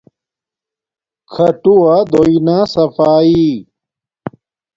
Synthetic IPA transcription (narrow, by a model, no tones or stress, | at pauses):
kʰɐʈuad̪oinaːsɐfaːi